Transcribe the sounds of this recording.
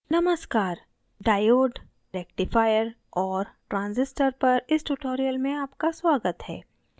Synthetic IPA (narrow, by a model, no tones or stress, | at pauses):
nɐməskaːɾ | ɖaːjoːɖ | ɾɛːkʈɪfaːjəɾ | ɔːɾʈɾãːnzɪsʈəɾpɐɾɪsʈʊʈoːɾijəlmẽaːpkaswaːɡət̪hɛ̰ː